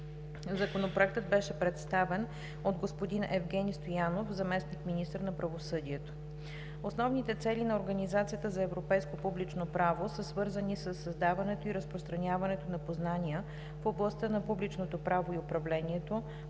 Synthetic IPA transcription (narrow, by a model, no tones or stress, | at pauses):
zɐkonopɾoɛk̚t̪əd̪̚bɛʃɛpɾɛt̪st̪avɛn | od̪ɡospod̪inʔɛvɡɛnist̪ojanofzɐmɛsnikminist̪əɾnɐpɾɐvosɤd̪iɛt̪o̥ | osnɔvnit̪ɛt̪sɛlinɐoɾɡɐnizat̪sijət̪əzɐɛvɾopɛjskopublit͡ʃnopɾavosəsvɤɾzənisəsːɐzd̪avɐnɛt̪oiɾəspɾost̪ɾɐnʲjavɐnɛt̪onɐpoznanʲiə | foblˠɐst̪ɤnɐpublit͡ʃnot̪opɾavoiopɾɐvlɛnʲiɛt̪o